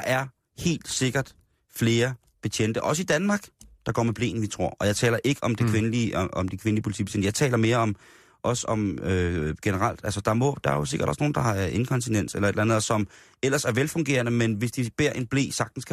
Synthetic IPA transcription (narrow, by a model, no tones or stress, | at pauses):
ɑ̈ʔæɐ | he̝̰ːld̥se̝ɡ̥ɐd̥ | fle̝ːɐ | b̥et͡sʰen̰d̥əʔɒ̽səid̥ænmɑ̈ɡ̥d̥ɑ̈ɡ̥ɒ̰ːmeb̥le̝̰ːn̩ʋit͡sʰʁo̝ɐ̰ʔɒ̽jɑ̈ɪt͡sʰɛ̰ːlɐʔe̝ɡ̥əʔɒ̽md̥ekʰʋe̝nliɒ̽md̥ikʰʋe̝nəlipʰoliḭb̥e̥ḛndəjɑ̈ɪt͡sʰɛ̰ːlɐme̝ːɐɒ̽m | ʔɒ̽səɒ̽møɡ̥enəʁɑl̰d̥ælsəd̥ɑ̈mɔ̽d̥ɑ̈æɐjo̝se̝ɡ̥ɐɾ̥ɒsno̝ːn̩d̥ɑ̈hɑ̈e̝n̩kʰɒ̽nt͡sʰinen̰selɐe̝dlænðˠsɒ̽m | el̰ɐsæɐʋelfɔ̽ŋɡ̥e̝̰ːɐnəmenʋe̝sd̥ib̥e̝ɐ̰ʔe̝nb̥le̝̰ːsɑ̈ɡ̥̚d̥n̩skʰæ